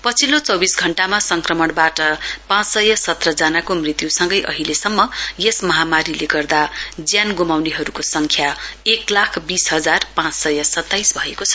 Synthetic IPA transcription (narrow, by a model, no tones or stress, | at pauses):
pʌt͡sʰilot͡sʌbisɡʱʌɳʈamasʌŋkrʌmʌɽbaʈʌpãt͡ssʌjʌsʌt̪rʌd͡zanakomrit̪jusʌŋɡʌjʔʌ̰ɦilesʌmːʌjesmʌɦamaɾileɡʌrd̪ad͡zjanɡumawneɦʌɾukosʌŋkʰjaeklakʰbisɦʌd͡zarpãt͡ssʌjʌsʌt̪ːajsbʱʌekot͡sʰʌ̥